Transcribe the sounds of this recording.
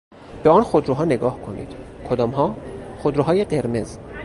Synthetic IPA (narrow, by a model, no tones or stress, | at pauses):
b̥eɒːnxod̪ɾuɦɒːneɡɒːhkʰo̞nḭːd̪̥kʰod̪ɒːmɦɒːxod̪ɾuɦɒːjedeɾme̞z